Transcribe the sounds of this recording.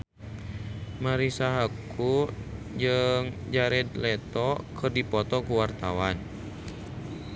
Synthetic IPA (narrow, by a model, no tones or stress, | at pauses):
maɾisaɦaku | d͡ʒəŋd͡ʒaɾɛd̪lɛt̪ɔkʰɨrdipɔt̪ɔkuwart̪awan